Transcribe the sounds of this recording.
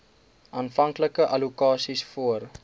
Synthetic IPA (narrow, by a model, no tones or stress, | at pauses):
ʔɑːnfɐŋkləkəʔɐlukɑːsisfuər